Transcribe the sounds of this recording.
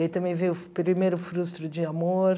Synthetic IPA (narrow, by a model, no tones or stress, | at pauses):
ɪt̪ɐ̃mẽj̃vejʊpɾimejɾʊfɾust̪ɾʊd͡ʒɪamoɾ